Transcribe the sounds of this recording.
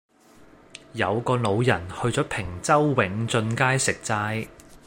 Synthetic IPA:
jɐ˨˧wkɔː˧lo˨˧wjɐ˨˩nhɵ˧ɥt͡sɔː˨˥pʰɪ˨˩ŋt͡sɐ˥wːɪ˨˥ŋt͡sɵ˧nkaː˥jsɪ˨k̚t͡saː˧j

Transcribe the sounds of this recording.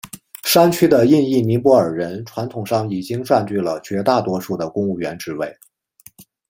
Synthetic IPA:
ʂa˥nt͡ɕʰy˥d̪ə˨i˥˧ni˥˩mi˧˥pwɔ˧˥ə˞˨˩ɻə˧˥nʈ͡ʂʰwa˧˥nt̪ʰʊ˨˩ŋʂɑ˥˩ŋi˨˩t͡ɕi˥ŋʈ͡ʂwa˥˧nt͡ɕy˥˩lə˩t͡ɕɥɛ˧˥t̪a˥˩t̪wɔ˥ʂu˥˩d̪ə˩kʊ˥ŋu˥˩ɥɛ˧˥nʈ͡ʂɻ̩˧˥we˥˩ɪ

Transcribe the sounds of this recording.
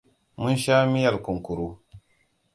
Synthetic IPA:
mu˦nʃaː˦mi˦ja˨lku˨ŋku˨ɾu˦

